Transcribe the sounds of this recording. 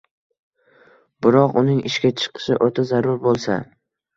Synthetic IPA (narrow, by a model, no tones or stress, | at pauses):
bɪɾɒqʊnɪŋɪʃkʲat͡ʃʰɨ̥qʰɨ̥ʃɪʔot̪ʰazaɾʊɾbolˠsa̰